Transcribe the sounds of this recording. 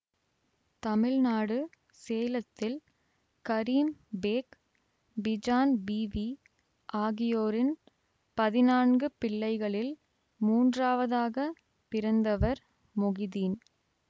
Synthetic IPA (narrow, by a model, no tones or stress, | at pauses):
t̪ɐmɪɻnaːɽɯ | seːlɐt̪ːɪl | kɐɾiːmbeːk | bɪd͡ʒaːnbiːʋi | ʔaːɣɪjoːɾɪn | pɐðɪnaːnɡɯpɪɭːɐɪɣɐɭɪl | muːndraːʋɐðaːɣɐ | pɪɾɐnd̪ɐʋɐɾ | mʊɣɪðiːn